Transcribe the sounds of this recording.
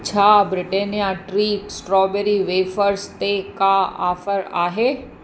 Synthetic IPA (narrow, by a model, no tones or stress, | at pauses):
t͡ɕʰaːbɾɪʈeːnijaʈɾiːksʈɾɔːbeɾiʋeːfəɾst̪ekaa̰ːfəɾa̰ːɦeː